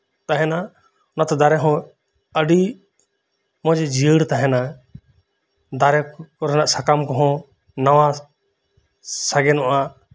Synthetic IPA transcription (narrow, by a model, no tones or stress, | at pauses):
t̪aɦɛna | nat̪d̪aɾɛɦɔ̃ | əɖi | mɔ̃d͡ʒed͡ʒiəɽt̪aɦɛ̃na | d̪aɾɛkɔɾnaʔsakamkɔɦɔ̃ | nɐʋã | saɡɛnɔʔa